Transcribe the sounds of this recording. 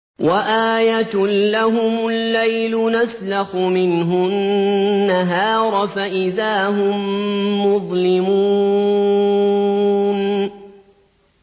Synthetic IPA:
wʔaʔaːjat̪laɦʊmʊlːajlʊnaslaxʊmɪnɦʊː | aɦɑːɾˤfaʔɪðaːɦʊmmːʊðˤlɪmuː | n

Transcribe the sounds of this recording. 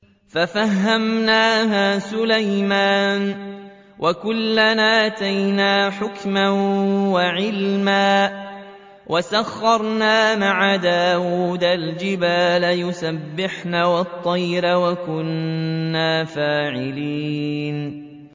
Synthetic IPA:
fafaɦːamnaːɦaːsʊlajmaːn | wʔakʊlːanaːʔat̪ajnaːħʊkmawaʕɪlmaː | wʔasaxːɑɾˤnaːmaʕad̪aːwuːd̪ald͡ʒɪbaːlajʊsabːɪħnaːwɑt̪ˤːɑjɾawakʊnːaːfaːʕɪliːn

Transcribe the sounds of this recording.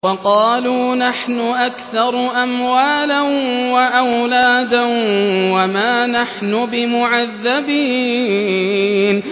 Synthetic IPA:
wɑqɑːluːnaħnʊʔakθɑɾˤʔamwaːlanwaʔawlaːd̪anwamaːnaħnʊbɪmʊʕaðːabiː | n

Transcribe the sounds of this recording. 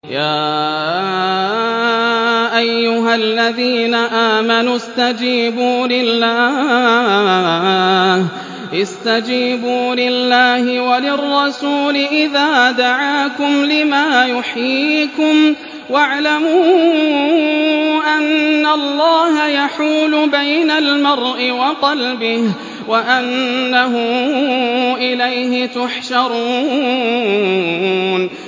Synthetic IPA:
jaː | ʔajːʊɦalːaðiːnaʔaːmanust̪ad͡ʒiːbuːlɪlːaː | h | ʔɪst̪ad͡ʒiːbuːlɪlːaːhɪwalɪrˤːɑsuːlɪʔɪðaːd̪aʕaːkʊmlɪmaːjʊħjiːkʊm | waʕlamuː | ʔanːalˤːɑːɦajaħuːlʊbajnalmɑɾˤʔɪwɑqɑlbɪh | waʔanːaɦʊ | ʔɪlajhɪt̪ʊħʃɑɾuː | n

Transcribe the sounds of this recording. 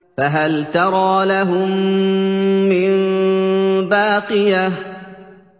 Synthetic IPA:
faɦalt̪ɑɾˤɑːlaɦʊmː | ɪn | baːqɨjah

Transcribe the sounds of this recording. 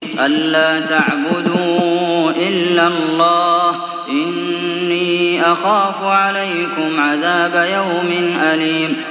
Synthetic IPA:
ʔalːaːt̪aʕbʊd̪uːʔɪlːalˤːɑːh | ʔɪnːiːʔaxaːfʊʕalajkʊmʕaðaːbajawmɪnʔaliːm

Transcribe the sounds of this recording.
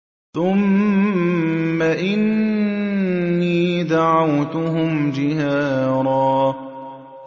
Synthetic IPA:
θʊm | aʔɪn | iːd̪aʕawt̪ʊɦʊmd͡ʒɪhaːɾˤɑː

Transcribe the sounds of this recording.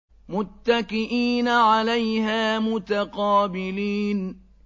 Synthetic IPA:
mʊt̪ːakɪʔiːnaʕalajɦaːmʊt̪aqɑːbɪliːn

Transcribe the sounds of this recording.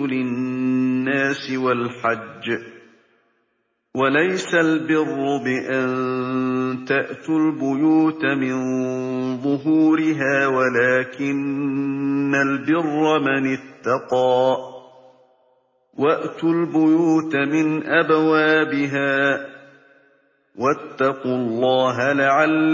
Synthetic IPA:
lɪː | aːsɪwalħad͡ʒː | walajsalbɪrːʊbɪʔan | t̪aʔt̪ʊlbʊjuːt̪amɪn | ðˤʊɦuːɾɪɦaːwalaːkɪnː | albɪrːɑmanɪt̪ːɑqɑː | waʔt̪ʊlbʊjuːt̪amɪnʔabawaːbɪɦaː | wat̪ːɑqʊlˤːɑːɦalaʕalː

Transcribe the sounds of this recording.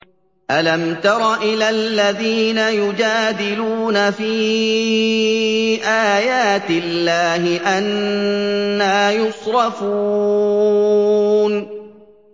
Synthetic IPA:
ʔalamt̪ɑɾˤɑʔɪlallːaðiːnajʊd͡ʒaːd̪ɪluːnafiː | ʔaːjaːt̪ɪlːaːhɪʔanː | aːjʊsˤɾɑfuː | n

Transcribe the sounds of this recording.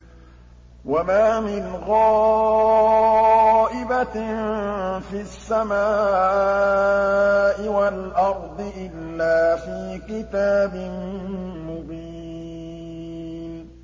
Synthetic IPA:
wamaːmɪnɣɑː | ʔɪba | fisːamaː | ʔɪwalʔɑɾˤd̪ˤɨʔɪlːaːfiːkɪt̪aːbɪmmʊbiː | n

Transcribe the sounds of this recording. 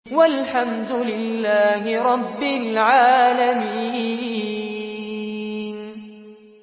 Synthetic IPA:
walħamd̪ʊlɪlːaːhɪɾˤɑbːɪlʕaːlamiː | n

